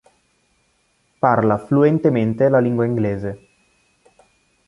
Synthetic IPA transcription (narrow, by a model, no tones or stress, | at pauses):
parlafluent̪ement̪elaliŋɡwaiŋɡleːze